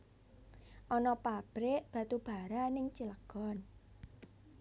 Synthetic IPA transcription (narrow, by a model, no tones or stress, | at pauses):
ʔɔnɔpab̥ɾeʔb̥ä̤t̪ub̥a̤ɾanɪŋt͡ʃiləɡ̥ɔ̤n